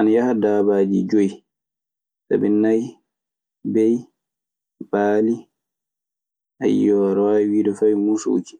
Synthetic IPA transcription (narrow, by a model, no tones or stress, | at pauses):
ʔanjahadaːbaːd͡ʒid͡ʒoj | sa̰bɛnaj | bɛj | baːli | ʔa̰jɔɾwawiːdɔfajmuso̰ki̥